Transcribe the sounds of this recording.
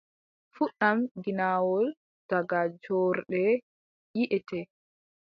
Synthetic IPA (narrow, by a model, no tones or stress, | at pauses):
fuɗamɡinaːwɔl | d̥aɡad͡ʒɔɾɗɛ | jiʔɛtɛ